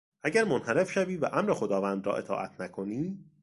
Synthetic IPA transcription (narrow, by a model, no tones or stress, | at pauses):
ʔæɟæɾmonhæɾe̞fʃæviːvæʔæmɾexo̞d̪ɒːvæːnd̪ɾɒ̰ːʔe̞̰t̪ʰɒ̰ːʔæt̪ʰnækʰo̞niː